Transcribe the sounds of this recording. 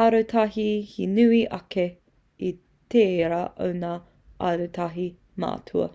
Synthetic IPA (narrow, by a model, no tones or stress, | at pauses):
ɐɾotʰɐɦihinʉiʔɐke | i | t̪eːɾaʔo̰wnaː | ʔɐɾut̪ʰɐɦi | ma̰ːtʰuɐ̰